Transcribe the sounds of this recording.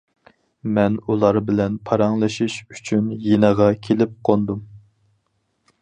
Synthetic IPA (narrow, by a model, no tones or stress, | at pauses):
mɛnulˠɑɾbɪlɛnpʰɑɾɑŋlˠɨʃiʃy̥t͡ʃʰynjenəʁɑkʲʰelɪp̚qʰond̪um